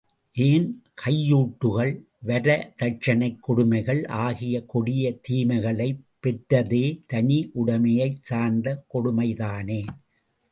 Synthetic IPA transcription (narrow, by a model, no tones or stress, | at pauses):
ʔeːnkʰɐjːuːʈːɯɣɐɭ | ʋɐɾɐt̪ɐʈ̚t͡ʃɐnɐɪkːɔɽʊmɐɪɣɐɭʔaːɣɪjɐkɔɽɪjɐt̪iːmɐɪɣɐɭɐɪpːɛʈɾɐðeːt̪ɐniʔʊɽɐmɐjɐɪt͡ʃaːnd̪ɐkɔɽʊmɐɪðaːneː